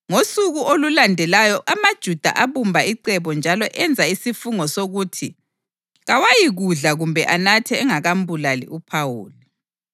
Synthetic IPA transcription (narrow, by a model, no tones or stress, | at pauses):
ŋosuɣuʔolulandʱɛlajɔʔamad̥ʒ̥ʱud̥ʱa̰ʔaβumbʱaiǀɛβɔnd͡ʒʱalɔʔɛnd͡zʱaisifuŋɔsoɣuːtʰi | ɣawajiɣuɮaɣumbʱɛʔanatʰɛːŋaɣambʱulalḭʔupʰawuːli